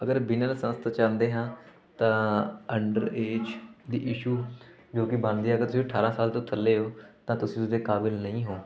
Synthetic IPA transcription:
əɡəɾbɪnəlsəməst̪ːt͡ʃãːnd̪eːɦãː | t̪ãːəɳɖə̰ɾeːd͡ʒd̪ḭːʔɪʃuː | d͡ʒoːkɪbənd̪iːɛːɡəɾt̪ʊsĩːəʈʰaːɾãːsaːlt̪õːt̪ʰəlːeːɦoːt̪ãːt̪ʊsĩːt̪ʊsd̪eːkaːbɪlnəĩːɦoː

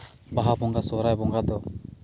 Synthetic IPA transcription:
baɦabɔŋɡasɔɾajbɔŋɡad̪ɔ

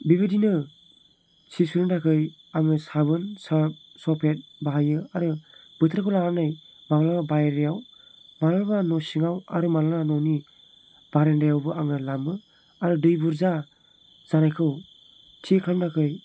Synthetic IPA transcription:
bibadinɯ | sisuɾɯndakʰɯj | aŋɯsabɯnsa | sɔpʰet̚baɦajɯaɾɯ | b̥ɯtʰɾakʰɯwlaanaj | mabalaabajɾijaw | malalbanɔsiŋawa̰ɾɯmalamanɔni | b̥aɾendajawbɯʔaŋɯlamɯ | aɾɯdɯjbuɾza | z̥anajkʰɯw | tʰekʰamdakʰɯj

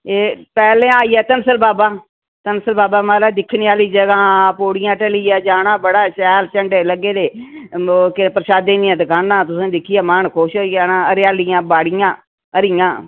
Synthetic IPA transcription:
eːpɛːlẽːaːiːɛːt̪ənsəlbaːbaː | t̪ənsəlbaːbaːmaːlaːd̪ɪkʰniːaːliːd͡ʒəɡãːpoːɽɪjãːʈəliːɛːd͡ʒaːnaːbəɽaːʃɛːlt͡ʃəɳɖeːləɡeːd̪eː | kɪpəɾʃaːd̪eːnijãːd̪ɪkaːnãːt̪ʊsẽːd̪ɪkʰːɪɛːmaːɳkʰoːʃoijaːnãːəɾaːlɪjãːbaːɽɪjãː | əɾɪjãː

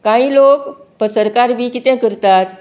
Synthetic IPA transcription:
kãĩlokpəsəɾkaɾbʱiːkit̪ɛ̃kəɾt̪at̪

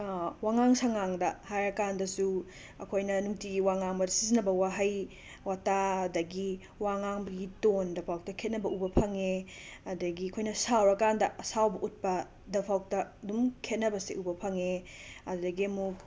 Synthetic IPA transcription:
waŋaŋsaŋaŋdɐhajɾɐkandɐsu | ɐkʰojnɐnuŋtiɡiwaŋaŋbɐdɐsizinɐbɐwaɦaj | wataɐdɐɡi | waŋaŋbɐɡitondɐpʰawk̚tɐkʰet̚nɐbɐʔubɐpʰɐŋeɐdɐɡiɐkʰojnɐsawɾɐkandɐʔɐsawbɐʔut̚pɐ | dɐpʰawk̚tɐɐdumkʰet̚nɐbɐsiʔubɐpʰɐŋeɐddɐɡiɐmuk̚

